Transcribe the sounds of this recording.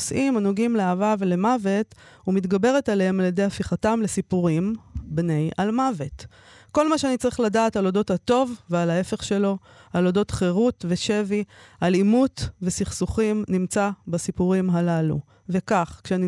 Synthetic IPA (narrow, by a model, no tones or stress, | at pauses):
sʔimanoɡimleavavele̞mave̞thumit̪ɡabe̞ʁ̞etalehemaljede̞jhafiχatamle̞sipuʁimbne̞jʔalmave̞t | ko̞lmaʃeanit͡saʁiχladaːtalo̞do̞thato̞vvealae̞fe̞χʃe̞lo̞ | alo̞do̞tχeʁutve̞ʃe̞vialimutve̞siχsuχimnimt͡sabasipuʁimɦalalṵ | ve̞kaχkʃeani